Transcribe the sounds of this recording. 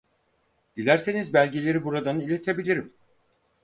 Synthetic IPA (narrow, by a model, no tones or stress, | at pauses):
d̪̥ilʲæɾse̞nizbælʲɟelʲe̞ɾibuɾad̪anɯilʲe̞t̪ʰebilʲiɾim